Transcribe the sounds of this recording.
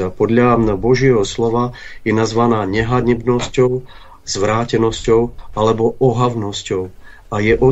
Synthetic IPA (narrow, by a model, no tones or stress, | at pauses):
apɔd̪ʎabɔʒɪɛɦɔslɔʋajɛnazʋanaːɲɛɦaɲɛbnɔscɔʊ | z̥ʋɾaːcɛnɔscɔʊalɛbɔɔɦavnɔscɔʊ | ajɛʔɔ